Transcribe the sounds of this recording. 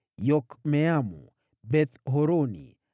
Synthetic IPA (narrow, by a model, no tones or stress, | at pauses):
jɔkmɛamṵ | bɛt̪ɦɔɾonḭ